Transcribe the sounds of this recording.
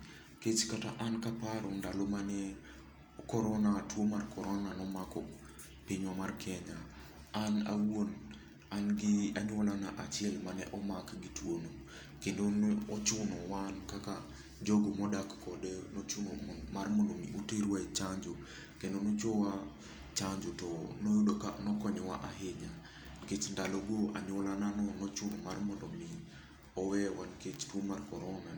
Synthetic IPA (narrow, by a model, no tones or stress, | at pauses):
ket͡ʃkataʔankapaɾɔndalomanɛ | kɔɾɔnatwomarkɔɾɔnanɔmakɔ | piɲwamarkʰɛɲaː | na̰won | anɡiaɲwɔlanaʔat͡ʃɪɛlmanɛ̰ʔɔmakɡitwono | kendonɔt͡ʃʊnɔwankaka | d͡ʒoɡomɔdakːɔdenot͡ʃʊnomarmɔndomiuteɾwat͡ʃaɲd͡ʒo | kendonot͡ʃowa | t͡ʃaɲd͡ʒotɔnojdoka̰nɔkɔɲɔwa̰ʔaɦɪɲa | ket͡ʃndaloɡoʔa̰ɲwɔlananɔnɔt͡ʃʊnɔmarmɔndɔmi | ɔwɛwanket͡ʃtwomarkɔɾɔna